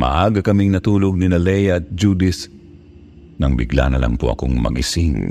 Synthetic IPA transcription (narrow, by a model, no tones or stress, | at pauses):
mɐ̰ʔaːɡɐkɐmiŋnɐt̪uːloɡ̚ninɐlɛjɐt̪̚d͡ʒud̪ɪs | nɐŋbɪɡla̰nɐlʔɐ̰ŋpoʔɐ̰koŋmɐ̰ɡʔɪ̰sɪŋ